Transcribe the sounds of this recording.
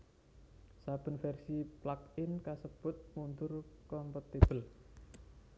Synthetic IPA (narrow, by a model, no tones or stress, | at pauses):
sab̥ə̤nfɛrsiplakɪnkasəb̥ʊ̤t̪̚mund̪ʊrkɔmpɔt̪ib̥əl